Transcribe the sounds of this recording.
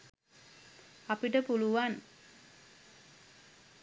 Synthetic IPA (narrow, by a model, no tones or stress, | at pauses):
apiʈəpuluʋan